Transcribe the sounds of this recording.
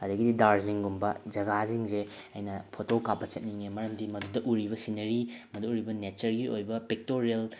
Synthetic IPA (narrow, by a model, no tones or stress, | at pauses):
ɐdɐɡididaɾziŋɡumbɐd͡ʒɐɡaziŋzeɐ̰jnɐpʰotokapːɐt͡ʃɐt̚niŋemɐɾɐmdimɐdudɐʔuɾiβɐsinɐɾimɐdɐuɾibɐnet͡ʃɐɾɡiojbɐpek̚toɾiel